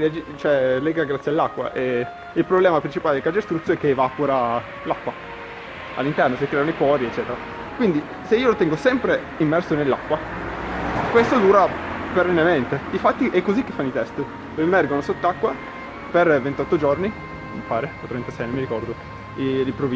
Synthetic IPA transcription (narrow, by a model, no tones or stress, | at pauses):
iad͡ʒit͡ʃoɛlɛːɡaɡɾat̪sjalːakːwa̰ʔe | ilpɾoblɛːmapɾint͡ʃipaːled̪elkad͡ʒest̪ɾut̪sjoɛkːeːvapoɾa | lakːwa | a̰lːint̪ɛrnosekɾɛːanoipɔːɾiet͡ʃːɛːt̪eɾa | kwind̪i | seiːolot̪ɛŋɡosɛmpɾe | imːɛrsonelːa̰kːwa | kwest̪od̪uːɾaperːenːement̪eifat̪ːiʔɛkːozikːe̥fːanːit̪ɛst̪ | loemɛrɡonosot̪ːakːwa | pervent̪ɔt̪ːod͡ʒorni | mipaːɾeot̪ɾɛnt̪asɛjnõmːiɾikɔrd̪o | ilimpɾovi